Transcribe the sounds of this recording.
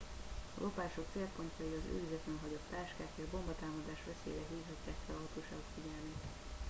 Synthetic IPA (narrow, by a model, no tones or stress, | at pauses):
ɒlʔo̞paːʃo̞k̚t̪seːlpo̞nt̪ɒiɒzø̰ːizɛt̪lɛnɦɒɟott̪aːʃkaːkeːʒbo̞mbɒt̪aːmɒd̪aːʃʋɛsḛːlɛɦiːvɦɒcːaːkːɛlɒɒt̪oːʃa̰ːɡokfiɟɛlmiːt̪